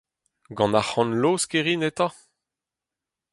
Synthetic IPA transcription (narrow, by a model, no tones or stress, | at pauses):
ɡɑ̃naχɑ̃nloːskeʁinet̪ɑ̃